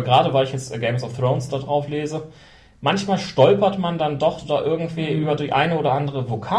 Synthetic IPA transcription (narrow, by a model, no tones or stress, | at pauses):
ɡəʁaːdəvaɪlɪçjɛt͡stɡeɪmsɔfθʁ̥oʊnsd̥adʁaʊfleːzə | mançmaːlʃtɔlpɐtmandandɔχdaʔɪɐɡŋ̩tv̥iːʔyːbɐdiçʔaɪnəoːdɐʔandəʁ̞əvokʰaː